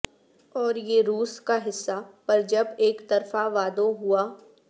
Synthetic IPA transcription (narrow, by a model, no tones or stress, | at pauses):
ɔːɾjeɾuːskaɦɪsːapɐɾd͡ʒɐbeːkt̪ɐɾfaʋaːd̪oɦuaː